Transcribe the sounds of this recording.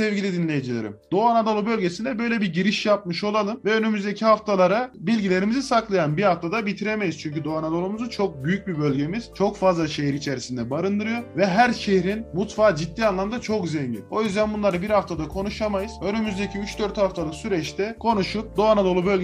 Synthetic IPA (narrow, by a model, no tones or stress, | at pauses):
sɛvɟʲilʲid̪inlʲe̞jid͡ʒilʲeɾḭmd̪̥o̞anad̪o̞lˠubø̞lʲɟe̞sind̪ɛbø̞jlʲebiɾɟiɾiʃjap̚mɯʃo̞lˠalˠɯmvɛønymyzd̪e̞cʰihaft̪ʰalˠaɾabilʲɟilʲe̞ɾimizisaklˠajanbihaft̪ʰad̪abit̪ʰiɾe̞me̞jiz̥t͡ʃʰyɲcyd̪o̞anad̪o̞lˠumuzut͡ʃʰo̞k̚byjyc̚bibø̞lʲɟe̞miz̥t͡ʃʰo̞kfazlˠaʃejiɾit͡ʃʰeɾisind̪ɛbaɾɯnd̪ɯɾɯjo̞vɛɦæɾʃehɾinmut̪faːd͡ʒit̪ːiːanlˠamd̪at͡ʃʰo̞kzeɲɟḭno̞jyzd̪ænbunlˠaɾɯbiɾhaft̪ʰad̪akʰo̞nuʃamajɯz̥ø̞nymyzd̪ecʰiyt͡ʃd̪ø̞ɾt̪haft̪ʰalˠɯksyɾɛt͡ʃt̪ʰɛkʰo̞nuʃup̚d̪o̞anad̪o̞lˠubølʲ